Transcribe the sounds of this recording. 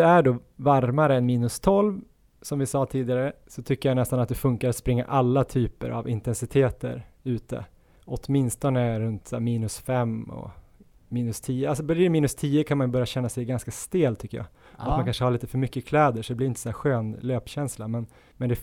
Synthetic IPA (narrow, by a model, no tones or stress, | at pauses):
ɛæɖoːvaɾmaɾəɛnmiːnɵst̪ʰɔlv | sɔmvɪsɑːt̪ʰiːd̪ɪɡaɾəsɔt̪ʰʏkːəɾjanɛst̪anat̪̚d̪ɛfɵŋkaɾat̪spɾɪŋːa̰ʔalːat̪ʰyːpə̰ɾa̰vɪnt̪ɛnsɪt̪ʰeːt̪ə̰ɾʉ̟ːt̪ə̰ | ɔt̪mɪnst̪ɔnəɾɵnt̪sɛmiːnɵsfɛmːɔ̰ | miːnɵst̪ʰiːəalsɔbœɾɪmiːnɵst̪ʰiːəkʰanmanbœɾjaɕɛnːasɛjɡanskast̪eːlt̪ʰʏkːəjɑ̰ːat̪mankʰanʂəhaɾɭiːt̪ə̥fœɾmʏkːəkʰlɛːd̪əʂɔd̪ɛblɪɾɪnt̪ə̥sɔæːɾɧøːnløːpɕɛnslamɛn | mɛnd̪ɛ